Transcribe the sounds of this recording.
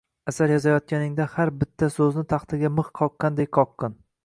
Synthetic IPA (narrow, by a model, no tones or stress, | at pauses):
asaɾjɒzajɒt̪̚kʲanɪŋd̪ahaɾbɪt̪ʰːasɵznɪt̪ʰɑχt̪ʰɪɡʲamɨχqʰɒqːɑnd̪ekʲqʰɒqːɑn